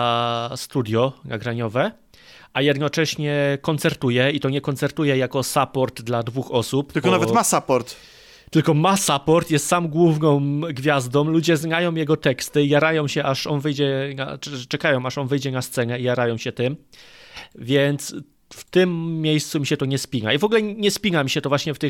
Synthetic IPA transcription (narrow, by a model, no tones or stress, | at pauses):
ast̪ud̪ʲjɔnaɡɾaɲɔvɛ | ʔajɛd̪nɔt͡ʂɛɕɲɛkɔnt̪sɛɾt̪ujɛit̪ɔɲɛkɔntsɛɾt̪ujɛjakɔsapɔɾd̪d̪lad̪vuxɔsup̪lkɔnavɛtmasapɔɾt̪ | t̪ɘlkɔmasapɔɾt̪jɛst̪samɡwuvnɔ̃wɡvʲjazd̪ɔ̃w̃lud͡ʑɛznajɔ̃w̃jɛɡɔt̪ɛkst̪ɘijaɾajɔ̃w̃ɕɛʔaʂɔnvɘjd͡ʑɛna̰t͡ʂɛkajɔ̃w̃aʂɔnvɘjd͡ʑɛnast̪sɛnɛijaɾajɔ̃w̃ɕɛt̪ɘm | vʲjɛnt̪s | ft̪ɘmːʲjejst̪sumʲiɕɛt̪ɔɲɛspʲiɲaivɔɡulɛɲɛspʲinamʲiɕɛt̪ɔvwaɕɲɛft̪ɘx